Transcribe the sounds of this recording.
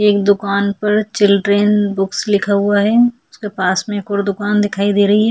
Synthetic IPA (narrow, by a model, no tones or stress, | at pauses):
eːkd̪ʊkaːnpɐɾt͡ʃɪlʈɾẽnbʊkslɪkʰaɦʊaɦɛːʊskepaːsmẽkɔːɾd̪ʊkaːnd̪ɪkʰaːid̪eːɾɐɦiɦɛː